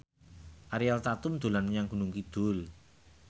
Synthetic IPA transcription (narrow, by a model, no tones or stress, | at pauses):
ʔaɾialt̪at̪ʊmd̪̥o̤lanmɲaŋɡ̥ṳnuŋkid̪̥ʊ̤l